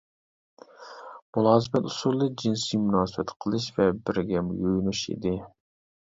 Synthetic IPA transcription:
mulˠɑːsɨpɛt̪usuɾlˠːɨd͡ʒinsimunɑːsɨbɛt̪qʰəlˠɨʃvɛbɪɾɡʲɛmujojnuʃḭd̪ɪ

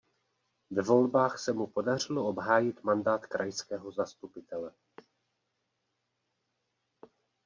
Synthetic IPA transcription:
vɛvo̞lbaːxsɛmupo̞dar̝ɪloo̞bɦaːjɪt̪mandaːt̪kɾʔajskɛːɦo̞zast̪upɪt̪ɛlɛ

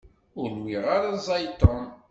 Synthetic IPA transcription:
ʊɾnwiʁaɾazˤɑjt̪on

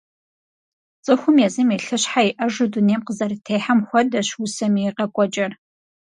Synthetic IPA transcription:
t͡sʼɨxʷʊmjɛzɨmjɛɬɨɕħajiʔɐʒʊduneːmqəzɐrtʰeːħamxʷɔdɐɕwʊsɐmiqɐkʷʼɔt͡ʃʼɐr

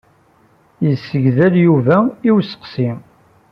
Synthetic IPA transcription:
jəsːəʝðæljuvæiwsə̥qsi

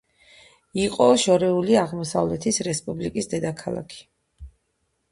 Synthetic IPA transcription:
iqʼɔʃɔɾɛuliaʁmɔsavlɛt̪ʰisɾɛspʼublikʼisd̪ɛd̪akʰalˠa̰kʰi̥

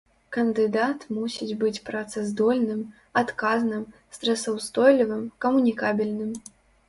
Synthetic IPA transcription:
kɐnd̪ɨd̪at̪musʲid͡zʲbɨt͡sʲpɾat̪sɨzd̪ɔlʲnɨm | at̪kaznɨmst̪ɾɐsɐwst̪ɔjlʲivɨmkɐmunʲikabʲilʲnɨm

